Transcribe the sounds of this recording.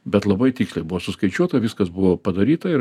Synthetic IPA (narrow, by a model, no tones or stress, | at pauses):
bʲɛt̪lˠɐbɐɪt̪ʲiːkslˠɐɪbʊʋoːsʊskɐɪt͡ʃʲuɔt̪ɐʋʲɪskɐsbʊʋoːpɐd̪ɐɾʲiːt̪ɐɪɾ